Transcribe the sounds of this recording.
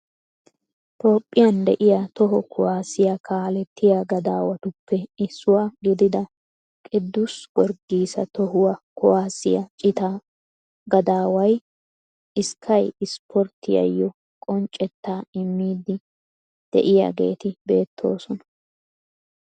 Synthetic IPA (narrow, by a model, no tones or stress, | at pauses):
t̪o̞ːpʼːɪjɐnd̪ɛʔɪjat̪ɔɦɔkʰɔwaːsɪjɐkʰaːlɛt̪ʰːɪjaɡɐd̪a̰ːwɐt̪ʊpʰːɛɪsːʊwaɡɪd̪ɪd̪ɐ | kʼɪd̪ːʊswɔɾɡiːsɐt̪ɔɦʊwɐkɔwaːsɪjɐt͡ʃʼɪt̪a | ɡɐd̪aːwɐj | ʔɪskʰːɐjɪspʰɔɾt̪ʰːɪjɐ̰jːɔ | kʼɔnt͡ʃʼɛt̪ːaːɪmːiːd̪ɪ | d̪̥ɛ̰ʔɪja̰ɡe̞̰ːt̪ɪbe̞ːt̪ʰːo̞̰ːsɔnɐ